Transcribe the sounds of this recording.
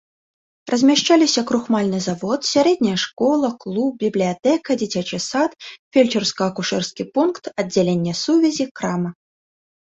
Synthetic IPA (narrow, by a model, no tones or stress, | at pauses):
rʔɐzʲmʲaʂt͡ʃalʲisʲɐkɾuxmalʲnɨzavɔt̪sʲaɾɛd̪ʲnʲɐjɐʂkɔlˠɐklˠup̚bʲiblʲijat̪ɛkɐd͡zʲit͡sʲat͡ʃɨsat̪fʲelʲt͡ʃɛrskɐɐkuʂɛrskʲipunkt̪ɐdd͡zʲːalʲenʲːɛsuvʲɛzʲikɾamɐ